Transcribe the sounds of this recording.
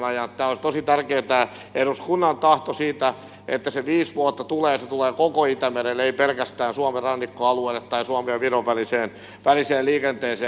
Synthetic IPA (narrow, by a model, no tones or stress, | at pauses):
nɑjɑnet̪t̪æːost̪osit̪ærkeːt̪æː | eɾuskunːɑnt̪ɑht̪osiːt̪æ | ʔḛt̪ːæseʋiːsʋuɑt̪ːɑt̪uleːset̪uleːkokoit̪æmeɾeleipelkæst̪æːnsuɑmerɑnːikːoɑlueilːet̪t̪ːɑisuɑmeɑʋiroʋʋæliseːn | ʋæliseːliːkent̪eːseː